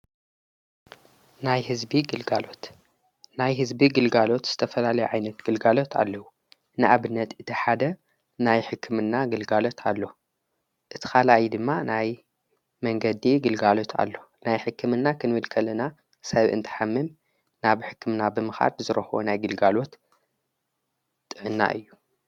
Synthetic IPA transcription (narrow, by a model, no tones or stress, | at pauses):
najhɨzbiɡɨlɡalo̞t̪ | najɦɨzbiɡɨlɡalo̞t̪z̥ɨt̪ʰɐfɐlalɐjuʕajnɐt̪ɡ̥ɨlɡalo̞t̪ʰa̰lːɐwu | nɨʔaβɨnːɐt̪ɨt̪ʰiħad̪ɐ | najħɨkʰːɨmɨnːaɡɨlɡalo̞t̪ʰalːo̞ | ʔɨt̪ʰi̥xalajid̪ɨmːanaj | mɐŋɡɐd̪iɡɨlɡalo̞t̪ʰa̰lːo̞ | najħɨkʰːɨmɨnːakʰɨnβɨlkʰɐlɐna | sɐβʔɨ̰nt̪ʰɨ̥ħamːɨm | naβħɨkːɨmnabɨmɨxa̰lzɨɾɐxwo̰najɡɨlɡalo̞t̪ | t̪ʼːɨʕɨnːa̰ʔɨjːu